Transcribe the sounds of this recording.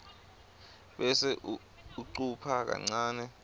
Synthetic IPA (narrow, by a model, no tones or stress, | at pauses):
ɓɛsɛʔu | uǀupʰak̬a̰ŋ͡ǀaːnɛ